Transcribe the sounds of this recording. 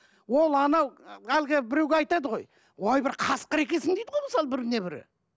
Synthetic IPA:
wolˠɑnɑwælɡʲɪbɪɾe̞wɡʲeɑjt̪ɑd̪əʁo̞̰j | wojbɪɾqʰɑsqəɾe̞kʲe̞sɪŋd̪ejd̪əʁojməsɑlˠəbɪɾɪne̞bɪɾɪ̰

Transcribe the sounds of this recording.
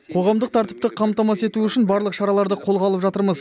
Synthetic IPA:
qʰo̞ʁɑmd̪əq̚t̪ʰɑɾt̪əp̚t̪əqʰɑmt̪ɑmɑse̞t̪uʏʃɪnbɑɾlˠəqʃɑɾɑlˠɑɾd̪əqʰo̞lˠʁɑlˠəpʒɑt̪əɾməz

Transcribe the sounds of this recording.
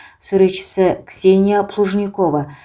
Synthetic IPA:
suɾʲet͡ʃːɪ̥sɪksʲenʲɪjaplˠuʐnʲɪko̞və

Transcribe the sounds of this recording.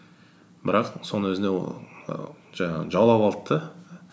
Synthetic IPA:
bɪɾɑqso̞nəwɵzɪnḛ | ʒɑɴɑʁəʒɑlˠɑwɑlˠt̪ʰːə

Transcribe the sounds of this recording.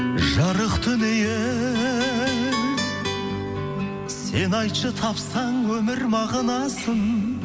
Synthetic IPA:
ʒɑɾəqt̪ʰʏneje | se̞nɑjt̪ʃət̪ʰɑpsɑɴwɵmɪɾmɑʁɑnɑsəɴ

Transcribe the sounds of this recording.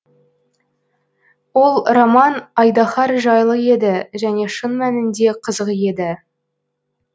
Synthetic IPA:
wo̞lˠromɑnɑjd̪ɑχɑɾʒɑjlˠəe̞d̪ɪʒæne̞ʃənmænɪnd̪e̞qʰəzəʁje̞d̪ɪ

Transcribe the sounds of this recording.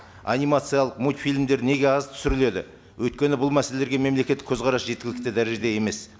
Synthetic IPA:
a̰nijmat̪sɨijalˠəqmut̪fijlmd̪e̞ɾne̞ɡʲe̞ɑzt̪ʰʏ̥sɪɾɪle̞d̪ɪ̰ | wɵjt̪̚kʲe̞nɪbʊlˠmæseleeɡʲeme̞mlekʲe̞t̪ːɪ̥kʲʰɵzqɑɾɑsʒe̞t̪kʲɪlɪk̚t̪ɪd̪æɾeʒed̪eje̞me̞s

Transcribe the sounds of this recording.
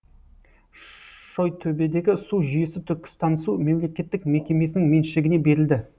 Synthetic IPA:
ʃo̞jt̪ʰɵbe̞d̪e̞ɡʲɪsuʒʏjesɪt̪ʰʏɾkʲɪ̥st̪ʰɑnəsume̞mle̞kʲe̞t̪ːɪk̚me̞kʲe̞me̞sɪnɪŋme̞nʃɪlɪɡʲɪne̞be̞ɾɪld̪ɪ

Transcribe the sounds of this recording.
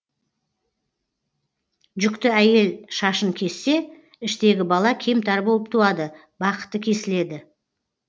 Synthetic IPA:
ʒʏkt̪ɪæje̞lʃɑʃəŋkʲʰe̞sːe̞ | ɪʃt̪e̞ɡʲɪbɑlˠɑkʲʰe̞mt̪ʰɑɾbo̞lˠəp̚t̪ʰuɑd̪ə | bɑqə̥t̪ːəkʲʰe̞sɪle̞d̪ɪ

